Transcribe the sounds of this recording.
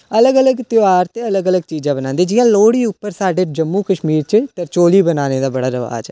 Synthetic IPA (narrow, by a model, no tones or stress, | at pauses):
ələɡələɡt̪ɪaːɾt̪eːələɡələɡ̚t͡ʃiːd͡ʒãːbənãːnd̪eːd͡ʒɪjãːloːɽiːʊpːəɾsaːɖeːd͡ʒəmːũːkəʃmiːɾt͡ʃət̪əɾt͡ʃoːliːbənaːneːd̪aːbəɽaːɾəʋa̰ːd͡ʒɛ